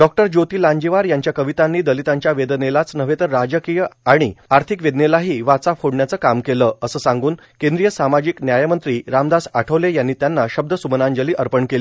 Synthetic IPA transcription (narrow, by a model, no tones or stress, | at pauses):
ɖɔk̚ʈəɾd͡ʑot̪iːlãɲd͡ʑiʋaɾjãɲt͡ɕjakəʋit̪ãnːiːd̪əlit̪ãɲt͡ɕjaʋed̪nelat͡snəʋ̤et̪əɾad͡ʑəkijəaɽ̃iaɾt̪ʰikʋed̪nelaɦiːʋat͡saphoɽɳjat͡səːkamkeləəsəːsãŋɡuːn | kẽnd̪ɾijəsamad͡ʑiknjajamənt̪ɾiːɾamd̪asaʈʰəʋlejanːiːt̪janːaɕəb̚d̪əsumənãɲd͡ʑəliːʔəɾpəɳkel